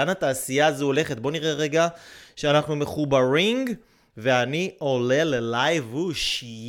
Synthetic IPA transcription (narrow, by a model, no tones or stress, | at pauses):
anat̪aːsijaːzuole̞χet̪̚bo̞niʁʔeʁeɡaʃeanaχnumeχubaʁiŋɡ | ve̞aniʔo̞le̞lelajvuʃ